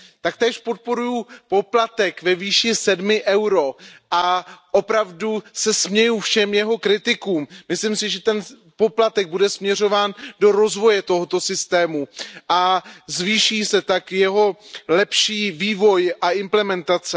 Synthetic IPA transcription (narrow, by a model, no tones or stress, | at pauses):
t̪ak̚t̪ɛːʃpo̞t̪̚po̞ɾujupo̞plat̪ɛkvɛviːʃɪsɛdmɪʔɛwɾo̞ʔaʔo̞pɾavdusɛsmɲɛjufʃɛmjɛɦo̞kɾɪt̪ɪkuːmːɪslɪmsɪʒɛt̪ɛn | po̞plat̪ɛɡ̚budɛsmɲɛr̝o̞vaːndo̞ɾo̞zvo̞jɛt̪o̞ɦot̪o̞sɪst̪ɛːmuʔazviːʃiːsɛt̪akjɛɦo̞lɛpʃiːviːvo̞jʔaʔɪmplɛmɛnt̪at͡sɛ